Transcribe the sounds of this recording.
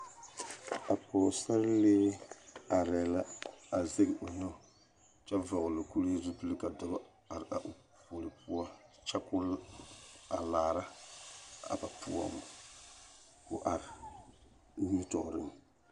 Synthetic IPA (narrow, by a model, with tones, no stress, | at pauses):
a˨pɔ˨sa˦ɾleː˦a˨ɾɛ˨la˦a˨ze˦ɡʔo˨nɔ˦˨ | t͡ʃɛ˦va˨ɣʊ˨lo˨ku˦li˦zʊ˦bɨ˦lɨ˦ka˨da˦ba˦ | a˨ɾa̰˨ʔo˨ | po˨lɨ˨pu˦a˦t͡ʃɛ˦kʊ˦ | a̰˨laː˨ɾa˦ | a̰˨ba˨pu˦a̰˦˨m˨ | kʊ̰˦ʔa˨ɾɪ˨ | niː˦tɔ̰˨ʔɾɨ˦m